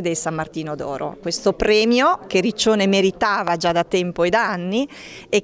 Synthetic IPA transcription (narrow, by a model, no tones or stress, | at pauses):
d̪elsamːart̪iːnod̪ɔ̰ːɾo̰kwest̪opɾɛːmjokerit͡ʃːoːnemeɾit̪aːvad͡ʒad̪at̪ɛmpoed̪aanːi | e